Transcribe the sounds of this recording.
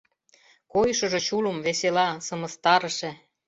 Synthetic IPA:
kojʃɤ̆ʒŏt͡ɕulə̆mβeselɑsɤ̆mə̆st̪ɑɾə̆ʃĕ

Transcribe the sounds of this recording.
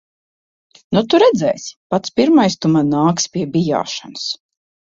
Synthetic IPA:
nut̪uɾɛd̪zɛjsʲpat̪spʲiɾmajst̪umanːaːkspʲiɛbʲija̰ːʃanas

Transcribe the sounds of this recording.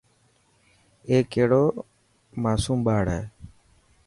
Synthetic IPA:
eːkːeːɽoː | maːsuːmɓaːɽɦɛː

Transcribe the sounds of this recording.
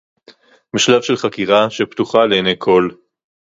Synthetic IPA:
miʃlavʃelχakiʁaʃept̪uχaleːnejkʰo̞l

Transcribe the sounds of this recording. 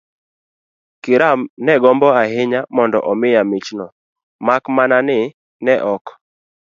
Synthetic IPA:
kɪɾanɛɡɔmbɔaɦɪɲamɔndɔʔɔmɪjamit͡ʃnɔ | makmananɪ | nɛʔɔk

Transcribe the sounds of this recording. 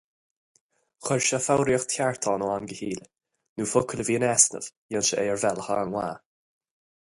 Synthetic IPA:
xəɹʃəfawɾiəxt̪ʰjaɹt̪ʰɔːnoːanɡəhiːl | nuːfʊkʰələviːənɛsnə̰v̥jənʃəʔɛːəɹvɛlha̰ɹəŋwa̰ː

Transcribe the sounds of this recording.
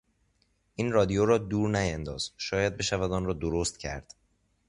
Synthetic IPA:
ʔiːnrɒːd̪ijoɾɒːd̪uːɾnæjænd̪ɒ̰ːz̥ʃɒːjæd̪̚be̞ʃævæd̪ɒːnrɒːd̪oɾost̪cʰæ̰ɾd̪̥

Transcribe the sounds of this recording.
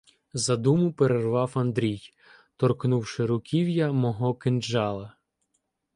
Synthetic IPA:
zɐd̪umʊpeɾerʋɑwɐnd̪ɾʲij | t̪ɔrknuwʃɪɾʊkʲʰiwjɐmɔɦɔkɪnd͡ʒɑlˠɐ

